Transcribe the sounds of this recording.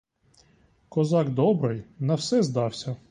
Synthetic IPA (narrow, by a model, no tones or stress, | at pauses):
kɔzɑɡd̪ɔbɾɪjnɐwsɛzd̪ɑwsʲɐ